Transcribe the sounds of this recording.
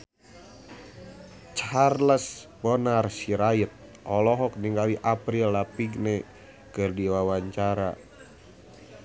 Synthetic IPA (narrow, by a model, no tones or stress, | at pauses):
t͡ʃharləsbɔnarsiɾait̪̚ | ʔɔlɔɦɔk̚niŋɡawiʔapɾilːapiɡnɛ | kɨrdiwawaɲt͡ʃaɾa̰